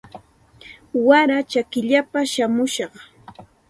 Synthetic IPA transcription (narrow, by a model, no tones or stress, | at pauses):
waɾat͡ʃakɪʎapaʃamʊʃɑχ